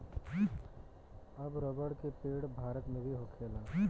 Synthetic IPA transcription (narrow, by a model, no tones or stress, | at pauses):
ɐbɾoːbəɽkepeːɽbʱaːɾət̪mẽbʱiɦoːkʰeːlaː